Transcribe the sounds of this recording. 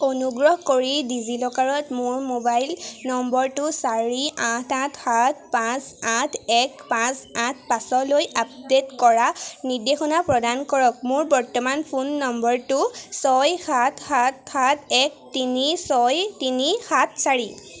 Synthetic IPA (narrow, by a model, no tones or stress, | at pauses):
onuɡɹɔhkoɹidizilɔkaɹɔtmʊɹmobajlnɔmbɔɹtʊsaɹiãtʰãtʰxat̚ʰpãsãtʰɛkpãsãt̚ʰpasɔlojap̚detkɔɹanidexɔnapɹɔdankɔɹɔk̚mʊɹbɔɹtɔmanpʰunːɔmbɔɹtʊsɔjxatʰxatxat̚ʰɛk̚tinisɔjtinixat̚ʰsaɹi